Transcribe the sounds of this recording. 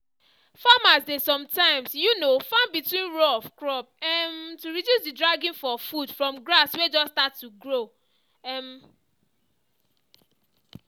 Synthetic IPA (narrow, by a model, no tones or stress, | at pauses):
famasdesɔ̃mtãɪ̃msjunofãnbitwĩnɹɔfkɹɔp̚ɛntuɹidjusdidɹaɡĩnfɔfudfɹɔ̃mɡɹaswed͡ʒɔstatːuɡɹo | ɛm